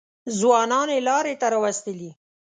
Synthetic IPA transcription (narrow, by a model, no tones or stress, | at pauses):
zwɑnɑnelɑɾet̪aɾɑwast̪əli